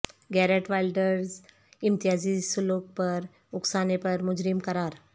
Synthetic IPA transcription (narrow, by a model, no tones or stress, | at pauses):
ɡɛɾeʈʋajlɖəɾz | int̪iɦasisulok̚pəɾ | uksanepəɾmud͡ʑɾimkəɾaɾ